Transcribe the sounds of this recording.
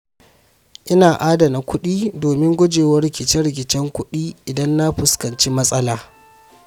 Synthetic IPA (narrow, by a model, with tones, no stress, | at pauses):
ʔɪ˦naː˨ʔaː˦da˨na˨kʷʰʊ˦ɗiː˦doː˨mɪ˦ŋɡʷʊ˦d͡ʒeː˨wɐ˦rɪ˦kʲɪ˨t͡ʃɛ˦ɾɪ˨k̬ʲɪ˨t͡ʃɛ˦ŋkʷʊ˦ɗiː˦ʔɪ˨dɐ˦nːa˦ɸʊ˨skɐ˨nt͡ʃi˦mɐ˦sʼɐ˦laː˨